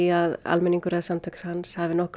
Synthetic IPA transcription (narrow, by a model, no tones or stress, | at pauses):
aða̰lmɛnːiŋkʏɾɛðsamt̪ʰœkḁshanshavɪnɔhk